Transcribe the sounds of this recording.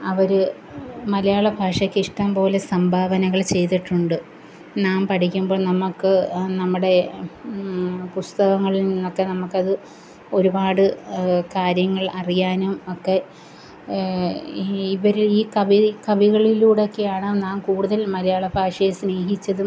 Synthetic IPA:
ɐʋɐɾɨ | mɐlɐjaːɭɐbʱaːʂɐkʲːiʂʈɐmpo̞ːlesɐmbʱaːʋɐnɐɣɐɭt͡ɕe̞jt̪̬iʈːuɳɖɨ | naːmpɐʈʰikʲːumbo̞ːɭnɐmːukːɨnɐmːuɽe̞ | pust̪ɐɣɐŋːɐɭilninːokːe̞nɐmukːɐðɨ | o̞ɾubaːɽɨkaːɾjɐŋːɐɭɐrijaːnumokːe̞ | iʋɐɾiiːkɐʋikɐʋiɣɐɭiluːɽeo̞kːe̞jaːɳɐnaːmkuːɽuðɐlmɐlɐjaːɭɐbʱaːʂɐjesne̞ːɦit͡ɕːɐðu

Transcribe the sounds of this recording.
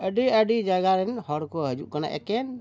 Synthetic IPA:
əɖiəɖid͡ʒaɡaɾɛnhɔɽkɔɦəd͡ʒṵʔkana̰ʔɛ̰kɛn

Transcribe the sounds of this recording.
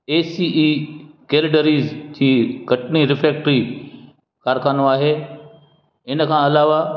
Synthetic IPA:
eːsiːʔiːkeːlɪɖəɾiːzd͡ʑiːɡʱɐʈniɾɪfɾeːk̚ʈɾi | kaːɾkʰaːnõaːɦeː | ɪnkʰãːɐlaːʋa

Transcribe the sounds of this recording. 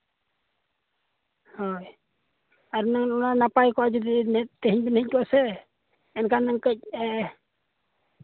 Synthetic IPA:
hɔj | aɾunaŋnɔnanapajkɔad͡ʒɔd̪inɛt̪ɛɦiɲbɛnɛɲ̚kɔasɛ | ɛnkanːaŋkəc̚ɛ

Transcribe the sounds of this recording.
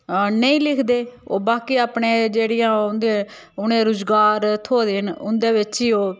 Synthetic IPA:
nəĩːlɪkʰd̪eːo̰ːbaːkiːaːpɳẽːd͡ʒeːɽɪjãːʊnd̪eː | ʊnẽːɾʊːzɡaːɾt̪ʰoːd̪eːɦənʊnd̪eːʋɪt͡ʃiːoː

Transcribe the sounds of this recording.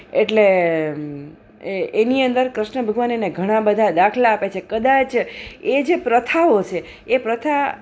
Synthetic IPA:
eʈle | eniənd̪əɾkɾəʃɳəbʱəɡʋanineɡʱəɽ̃ãbəd̪ʱad̪akʰlaːpet͡ʃʰekəd̪at͡ʃed͡ʒepɾət̪ʰaot͡ʃʰeː | pɾət̪ʰa

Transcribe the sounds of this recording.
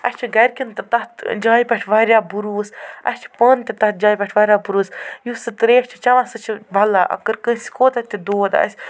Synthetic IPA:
ɐ̰sʲt͡ʃʰiɡɐɾʲkʲint̪ɐt̪ɐt̪d͡ʒaːipʲɛʈʰʋɐːɾʲjaːbuɾuːsɐ̰sʲt͡ʃʰi̥pənt̪ʲɐt̪ɐt̪̚d͡ʒaːjpʲɛʈʰʋɐɾʲjaːbuɾuːsjusɨt̪ɾeːɐʃʲt͡ʃʰi̥t͡ʃɐʋãsɨt͡ʃʰibʱɐlaʔɐ̰kəɾkə̃si̥koːt̪ɐt̪id̪oːt̪ɐ̰sʲ

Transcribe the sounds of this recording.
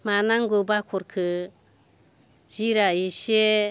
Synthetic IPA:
manaŋɡobakʰuɾkʰɯ | d͡ʒiɾaiʃe

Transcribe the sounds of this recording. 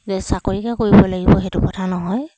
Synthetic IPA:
zɛsakoɹikɛkoɹibɔlaɡibɔɦɛtʊkɔtʰanɔɦɔj

